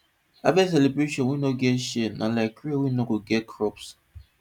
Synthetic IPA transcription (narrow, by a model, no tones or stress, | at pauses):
a̰vɛs̬ɛlebɾeʃɔ̃nwinoɡɛʃenalaɪkiwinoɡoɡɛt̚kʰɾɔps